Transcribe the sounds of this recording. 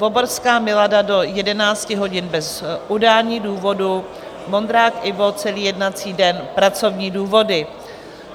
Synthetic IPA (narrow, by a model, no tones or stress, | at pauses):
voboɾskaːmɪladado̞jɛdɛnaːt͡scɪɦo̞ɟɪnbɛzʔudalɲiːduːvo̞du | mo̞nd̪ɾaːkʔɪvo̞t͡sɛliːjɛdnat͡siːdɛnpɾat͡so̞vɲiːduːvo̞dɪ